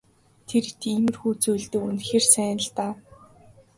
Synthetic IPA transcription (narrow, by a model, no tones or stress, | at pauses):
t̪ʰert̪ʰiːmɘ̆rxuːt͡sujɮt̪ɵ̆kunxeːrsæːnə̆ɮt̪aː